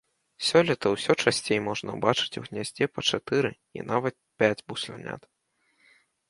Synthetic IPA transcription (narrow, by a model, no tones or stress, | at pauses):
sʲɔlʲit̪ɐwsʲɔt͡ʂasʲt͡sʲejmɔʐnɐ̰bat͡ʂɨ̥t͡sʲuɣnʲazʲd͡zʲɛpɐt͡ʂat̪ɨɾɨ | ḭnavɐt̪̚pʲad͡zʲbusʲlʲɛ̰nʲa̰t̪